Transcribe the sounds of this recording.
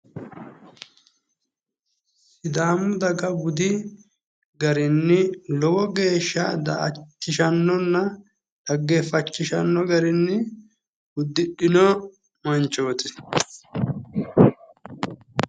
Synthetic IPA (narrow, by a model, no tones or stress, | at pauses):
sɪd̪aːmːʊd̪ɐɡɐbʊd̪ɪ | ɡɐɾɪnːɪlɔwɔɡe̞ːʃːɐd̪ɐ̰ʔɐ̰t͡ʃːɪʃɐnːɔnːɐ | ᶑɐɡːɛfɐt͡ʃːɪʃɐ̰nːɔɡɐɾɪnːɪ | ʊd̪ːɪɗɪnɔ | mɐnt͡ʃːoːt̪ɪ